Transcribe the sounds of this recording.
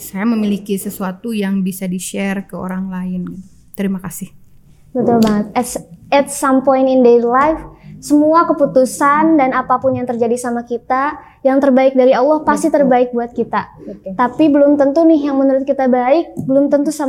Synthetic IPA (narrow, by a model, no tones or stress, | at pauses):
sajaməmilikisəsuat̪ujaŋbisadiʃɛrkəo̰ɾaŋlaɪn | t̪əɾimakasɪh | bət̪ulbaŋət̪̚ɛɛt̪̚sampɔjnindelajfsəmuakəput̪usandanapapʊnjaŋt̪ərd͡ʒadisamakit̪a | jaŋt̪ərbaɪk̚daɾiɑlˠːɑhpast̪it̪ərbaɪk̚buat̪̚kit̪at̪apibəlʊmt̪ənt̪unɪɦjaŋmənuɾʊt̪̚kit̪abaɪk̚bəlʊmt̪ənt̪usa